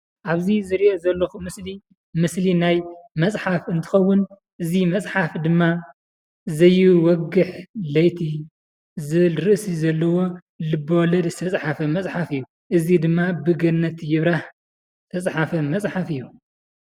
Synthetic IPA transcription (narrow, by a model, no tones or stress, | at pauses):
ʔaβzizɨɾiʔozɐlːɐxumɨsli | mɨslinajmɐsʼħafɨnt̪ʰɨ̥xɐwːʊn | ʔɨzimɐt͡sʼħafd̪ɨmːa | zɐjːɪwɔɡɨħlɐjt̪ʰi | zɨβɨlɾɨʔsizɐlːɐwo̞ | lɨbɐwlɐd̪st̪ʰɐt͡sʼħafɐmɐt͡sʼħafɨjːu | ʔɨzid̪ɨmːabɨɡɐnːɐt̪jɪβɾah | t̪ʰɐsʼħafɐmɐt͡sʼħafɨjːu